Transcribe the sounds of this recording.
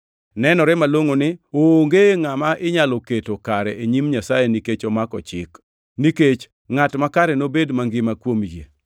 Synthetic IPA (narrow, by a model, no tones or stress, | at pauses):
nɛnɔɾɛmaloŋonɪoŋɡeŋamaʔɪɲaloketokaɾɛʔeɲimɲasajeniket͡ʃɔmakɔ̰t͡ʃɪ̰k | niket͡ʃ | ŋatmakaɾɛnobedmaŋɡɪmakwomjḛ